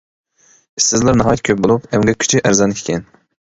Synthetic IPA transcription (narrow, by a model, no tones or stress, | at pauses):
i̥st̪ɪzlæɾnɑɦɑːjt̪̚kʲʰøp̚bolˠupɛmɡʲɛkʲʰy̥t͡ʃʰyʔæɾzɑnkʲʰkʲʰɛn